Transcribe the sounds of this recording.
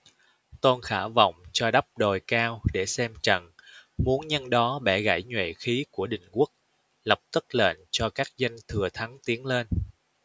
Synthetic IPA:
t̪o˧nxaː˧˩va̰˧˨wŋ͡mt͡ɕɔ˧ɗa˦˥p̚ɗo˨˩jkaː˧wɗe˧˩sɛ˧mt͡ɕə̰˧˩ŋmu˨˦ənɲə˧nɗɔ˨˦ɓɛ˧˩ɣa̰˧˩jɲwḛ˧˨xi˨˦ku˧˩əɗï˧˩ŋ̟ku˦˥ək̚ | lə˨˩p̚t̪ɨ˦˥k̚lḛ˧˨nt͡ɕɔ˧kaː˦˥k̚zə˧ŋ̟t̪ʰɨ˨˩ət̪ʰa˨˦ŋt̪i˨˦əŋle˧n

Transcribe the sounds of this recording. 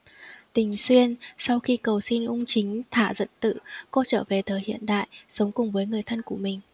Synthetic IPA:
t̪ï˨˩ŋ̟swi˧ənsa˧wxi˧kə˨˩wsi˧nʔʊ˧ŋ͡mt͡ɕï˨˦ŋ̟t̪ʰaː˧˩zə̰˧˨nt̪ɨ̰˧˨kɔ˧˦t͡ɕəː˧˩ve˨˩t̪ʰəː˨˩hḭ˧˨ənɗa̰ː˧˨jsə˨˦wŋ͡mkʊ˨˩ŋ͡mvəː˨˦jŋɨ˨˩əjt̪ʰə˧nku˧˩əmï˨˩ŋ̟

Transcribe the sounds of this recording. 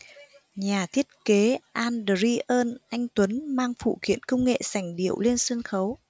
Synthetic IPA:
ɲaː˨˩t̪ʰi˦˥ət̚ke˨˦ʔaː˧nɗə˨˩ɾi˧ʔəː˧nʔa˧jŋ̟t̪wə˨˦nmaː˧ŋfṵ˧˨xḭ˧˨ənkə˧wŋ͡mŋḛ˧˨sa˧˩jŋ̟ɗḭ˧˩˨əwle˧nsə˧nxə˨˦w

